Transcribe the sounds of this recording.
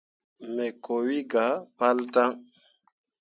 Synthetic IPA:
mɛ˨ko˨wi˦ɡa˨˦pa˦lta˦ŋ

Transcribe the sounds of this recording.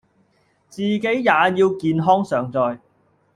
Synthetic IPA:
t͡siː˨ke˨˥jːaː˨˧jiː˧wkiː˨nɦɔː˥ŋsœː˨˧ŋt͡sɔː˨˧j

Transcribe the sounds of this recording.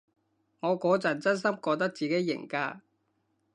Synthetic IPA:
ŋɔː˨˧kɔː˨˥t͡sɐ˨˩nt͡sɐ˥ns̬ɐ˥mkɔː˧t̪ɐ˥k̚t͡siː˨ke˨˥jːɪ̰˨˩ŋkaː˧

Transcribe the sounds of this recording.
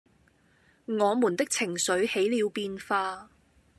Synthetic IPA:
ŋɔː˨˧muː˨˩nt̪ɪ˥k̚t͡sʰɪ˨˩ŋsɵ˨˥ɥhe˨˥jliː˨˧wpiː˧nfaː˧

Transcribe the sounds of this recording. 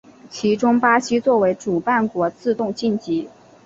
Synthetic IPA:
t͡ɕʰi˧˥ʈ͡ʂʊ˥ŋpa˥ɕi˥t͡swɔ˥˩we˧˥ɪʈ͡ʂu˨˩pa˥˩nkwɔ˧˥t͡sɹ̩˥˧t̪ʊ˥˧ŋt͡ɕi˥˩nt͡ɕi˧˥

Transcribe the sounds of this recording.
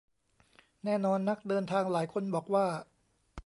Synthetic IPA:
nɛː˥˩nɔː˧nːa˦˥k̚dɤː˧nt̪ʰaː˧ŋlaː˩˦jkʰo˧nbɔː˨˩k̚waː˥˩

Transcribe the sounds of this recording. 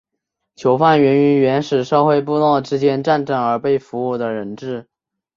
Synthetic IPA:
t͡ɕʰjo˧˥ʊfa˥˩nɥɛ˧˥ny˧˥nɥɛ˧˥nʂɻ̩˨˩ʂɤ˥˧xwe˥˧ɪp̬u˥˧lɑ˥˩ʊʈ͡ʂɻ̩˥t͡ɕjɛ˥nʈ͡ʂa˥˧nʈ͡ʂə˥˩ŋə˞˧˥pe˥˩ɪfu˧˥u˥˩d̪ə˩ɻə˧˥nʈ͡ʂɻ̩˥˩

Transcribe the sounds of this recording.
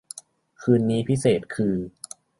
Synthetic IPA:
kʰɯː˧nːiː˦˥pʰi˦˥seː˨˩t̪̚kʰɯː˧

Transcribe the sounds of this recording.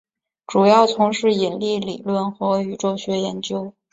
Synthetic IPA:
ʈ͡ʂu˨˩jɑ˥˩ʊt͡sʰʊ˧˥ŋʂɻ̩˥˩i˨˩nli˥˩lḭ˨˩lwə˥˩nxɤ˧˥y˨˩ʈ͡ʂo˥˩ʊɕɥɛ˧˥jɛ˧˥nt͡ɕjo˥ʊ

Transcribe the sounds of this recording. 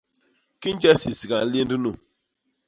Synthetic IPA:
ki˦n˦d͡ʒɛ˦si˨si˨ɡa˨˦li˦n˦du˦nu˦˨

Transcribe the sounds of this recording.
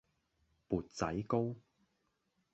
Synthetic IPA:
puː˨t̚t͡sɐ˨˥jko˥w

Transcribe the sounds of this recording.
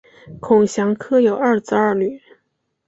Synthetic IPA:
kʰʊ˨˩ŋɕjɑ˧˥ŋkʰɤ˥jo˨˩ʊɐ˞˥˩t͡sɹ̩˥ɐ˞˥˩ny˨˩˦

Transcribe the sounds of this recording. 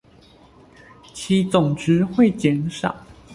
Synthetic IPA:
t͡ɕʰi˨˥t͡sʊ˨˩ŋʈ͡ʂɻ̩˨˦xwe˥˨ɪt͡ɕjɛ˨˥nʂɑ̰˨˩˦ʊ

